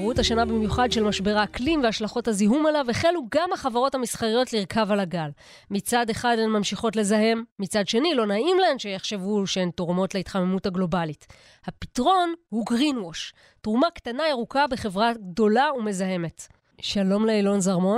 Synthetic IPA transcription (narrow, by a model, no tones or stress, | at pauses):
ʁuthaʃanabimjuχadʃe̞lmaʃbe̞ʁaklimveaʃlaχo̞thaziɦumalaveχeluɡamhaχavaʁo̞thamisχaʁijo̞tliʁkʰavalaɡal | mit͡sade̞χadenmamʃiχo̞tle̞zaɦe̞mːit͡sadʃe̞nilo̞naimlae̞nʃejeχʃe̞vuʃeentoʁmo̞tleit̪χamemuthaɡlo̞balit | hapi̥tʁo̞nhuɡʁinwoʃ | tʁumaktanaeʁukabe̞χe̞vʁaɡdo̞laume̞zaɦe̞me̞t | ʃalo̞mleilo̞nzaʁmo̞